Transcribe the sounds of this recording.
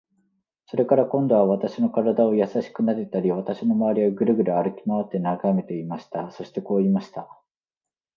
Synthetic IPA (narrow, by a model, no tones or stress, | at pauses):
so̞ɾe̞kaɾakõ̞nd̪o̞β̞aβat̪aɕino̞kaɾad̪ao̞jasaɕi̥kɯ̟naɾet̪aɾʲiβat̪aɕino̞maβaɾʲiβaɡɯ̟ɾɯ̟ɡɯ̟ɾɯ̟aɾɯ̟kʲimaβat̪ːe̞naɡame̞t̪e̞imaɕi̥t̪aso̞ɕi̥t̪e̞ko̞ːimaɕi̥t̪a